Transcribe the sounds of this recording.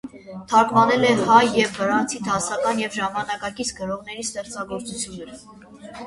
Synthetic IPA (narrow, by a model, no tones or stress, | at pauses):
t̪ʰɑkvɑnɛlɛhɑjːɛvːəɾɑnt͡sʰit̪ʰɑsɑkɑnjɛvʒɑmɑnɑkɑkit͡sʰɡəɾɔʁnɛɾist̪ɛχt͡sɑɡɔɾt͡sut͡sʰjunːəɾ